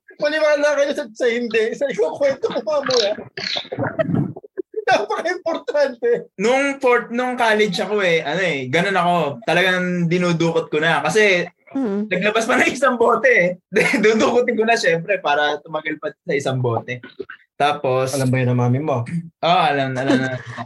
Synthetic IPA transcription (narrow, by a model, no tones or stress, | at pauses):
pɐlɪwaːnɐkɐɲosɐsɐhɪnd̪ɛsɐɪkokwɛnt̪okomɐmoɐ | nɐpɐkɐɪmpoɾt̪ant̪ɛnʊŋfoɹt̪̚nʊŋkaːlɛd͡ʒɐko̞ʔɛʔɐno̞ɛɡɐno̞nɐko̞t̪ɐlɐɡaŋd̪ɪnuːd̪uːkot̪̚konɐkɐsɛ | nɐɡ̚lɐbaspɐnɐŋɪsɐŋbo̞ːt̪ɛd̪d̪uːd̪uːkʊt̪ɪŋkonɐʃɛmpɾɛpaːɾɐt̪ʊmɐɡɐlpɐd̪sɐʔɪsɐŋbo̞ːt̪ɛt̪aːpo̞sɐlɐmbɐjɐnɐŋmaːmɪmoʔoʔɐlɐmɐlɐmnɐ